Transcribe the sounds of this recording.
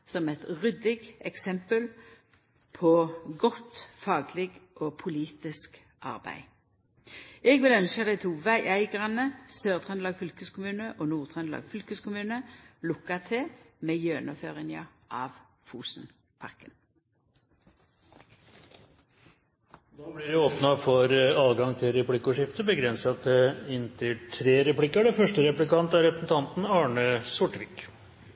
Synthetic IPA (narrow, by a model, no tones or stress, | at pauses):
sɔmɛt̪ʁʏd̪ɪɡɛksɛmpəl | pʰɔɡɔt̪fɑːɡlɪɡʔoːpʰʊliːt̪ɪsk | ʔɑ̰ʁbæ̰ɪ | ɛɡʋɪlœnʃəd̪æɪt̪ʰuːʋæɪʔæɪɡʁɑnəsøːʁt̪ʰʁɛnlɑːɡfʏlkəskʰʊmʉːnəʔoːnuːʁt̪ʰʁɛnlɑ̰ːɡfʏlkəskʊmʉːnəlʊkːɑt̪ʰɪmeːjøːnɔføːʁɪŋəʔɑʋ | fuːsn̩ | pʰɑ̰ʁkən | d̪oːblɪɾɪoːpnɑfɔɾɑːlɡɑŋt̪ʰɪlɾɛplɪkʊʂɪft̪əbəɡɾɛnsɑt̪ɛɪnt̪ʰɪlʈʰɾeːɾɛplɪkːəɖɛfœʂʈəɾɛplɪkɑnt̪æɾɾɛpɾəsn̩t̪ʰɑnt̪n̩ɑːɳəsʊʈːʋɪk